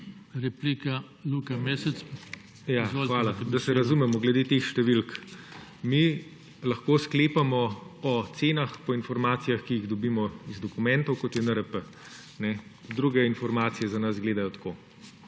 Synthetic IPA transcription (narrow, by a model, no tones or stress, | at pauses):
ɾɛplika | lukamesɛt͡s̪ | jaxxʋaːlad̪ɐsɛɾɐzumɛmɔɡlɛd̪eːt̪exʃt̪ɛʋilk | mi | lɐxkoːskleːpamɔɔt̪seːnaxpɔinfɔɾmaːt̪sijaxkijiɣd̪ɔbimɔizd̪ɔkumɛnt̪ɔwkɔt̪jɛnəɾəpə | nɛd̪ɾuːɡɛinfɔɾmaːt̪sijɛzɐnɐsɡleːd̪ajɔt̪ḁkoː